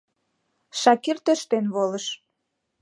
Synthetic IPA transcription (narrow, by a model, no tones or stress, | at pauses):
ʃɑkirt̪øʃt̪enβoləʃ